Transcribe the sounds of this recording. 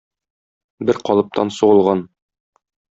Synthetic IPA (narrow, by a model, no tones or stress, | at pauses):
bɘɾqɒlˠɤ̆p̚t̪ʰɑ̰nsuʁɤ̆lˠʁɑn